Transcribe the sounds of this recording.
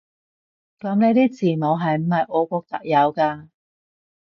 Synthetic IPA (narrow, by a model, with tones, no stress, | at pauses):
kɐ˨˥mne˨˧t̪iː˥t͡sʰiː˨˩no˨˧ɦɐ˨jm̩˨˩hɐ˨jʔɔː˨˧kʷɔː˧k̚t̪ɐ˨k̚jɐ˨˧wkaː˧